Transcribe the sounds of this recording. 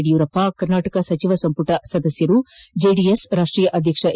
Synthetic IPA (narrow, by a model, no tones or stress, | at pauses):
ɽijuːɾɐpːakɐɾnaːʈɐkɐsɐt͡ʃiʋɐsɐmpuʈɐsɐd̪ɐsjɐɾud͡ʒeːɖiesɾaːʂʈɾiːjɐʔɐd̪ʱjɐkʂɐʔ